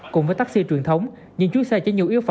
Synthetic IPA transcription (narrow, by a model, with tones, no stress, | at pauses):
kʊ˨˩˨ŋ͡mvəː˨˦jt̪a˦˥k̚si˧t͡ɕwi˨˩ənt̪ʰə˨˦wŋ͡m | ɲɨ˧ŋt͡ɕu˨˦˥sɛ˧t͡ɕːnɲi˨əwʔi˦əwf